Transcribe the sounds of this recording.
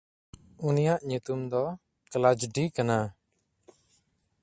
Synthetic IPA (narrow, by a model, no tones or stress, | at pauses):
unijaʔɲut̪umd̪ɔ | klad͡ʒɖikana